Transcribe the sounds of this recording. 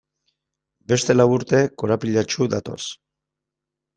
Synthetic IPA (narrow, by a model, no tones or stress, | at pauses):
be̞st̪e̞lawuɾt̪e̞ko̞ɾapiʎat͡ʃuðat̪o̞̰s